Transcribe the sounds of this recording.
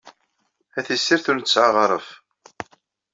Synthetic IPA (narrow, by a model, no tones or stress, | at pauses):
æθisːiɾθunt͡sːʕaʁɾˤəf